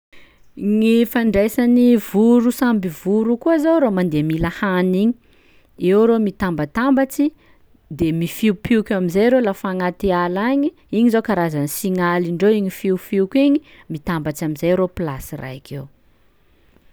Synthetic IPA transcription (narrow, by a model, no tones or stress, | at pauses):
ŋifaɳɖ͡ʐejsanivuɾusambivuɾukuazowɾomand̪emilahaniɲi̥ | ewɾomit̪ambat̪ambat͡si | d̪emifiupiukʲamizajɾolafaŋat̪ealaɲi | iɲizowkaɾazanisiŋaliɳɖ͡ʐewiɲifiufiukiɲi | mit̪ambat͡samizajɾopila̰sira̰jkew